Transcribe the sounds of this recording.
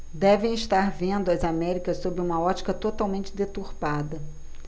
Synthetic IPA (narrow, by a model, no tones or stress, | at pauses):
d̪ɛvẽj̃ɪʃt̪aɾvẽnd̪ʊɐzamɛɾikɐssobɾɪũmɐɔt͡ʃi̥kɐt̪ot̪awmẽnt͡ʃɪd̪et̪uɾpad̪ɐ